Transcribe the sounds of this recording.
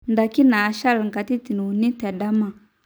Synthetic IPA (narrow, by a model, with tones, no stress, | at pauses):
nda˨ki˦naː˨ʃa˦lŋka˨ti˦ti˨n˨u˨ni˦tɛ˨ɗa˦ma˦˨